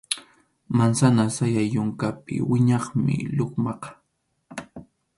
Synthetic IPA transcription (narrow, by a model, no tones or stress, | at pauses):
mansanasajajʊŋkapɪ̰wɪɲɑχmɪ̰ʎoχmɑqɑ̥